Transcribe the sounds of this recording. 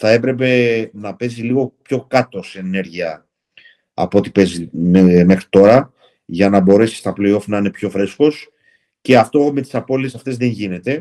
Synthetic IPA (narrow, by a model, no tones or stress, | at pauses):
θɐe̞pɾe̞p̬e̞nɐpe̞ziliɣo̞pço̞kɐt̪o̞sene̞ɾʝiɐ | ɐ̰pot̪ipe̞zime̞xɾi̥t̪o̞ɾɐ | ʝɐnɐbo̞ɾe̞si̥st̪ɐpleio̞fnɐine̞pço̞fɾesko̞s | ce̞ɐft̪o̞me̞t̪i̥sɐpo̞liesɐft̪e̞zðe̞ɲʝine̞t̪e̞